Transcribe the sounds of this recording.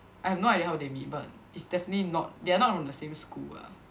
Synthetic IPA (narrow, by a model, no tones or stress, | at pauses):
ʔajhɛvnoajdiəhaʊdemit̚ba̰t | itsdɛfənətlinɔt̚deanɔt̚fɹɔ̃mdəsẽmskula̰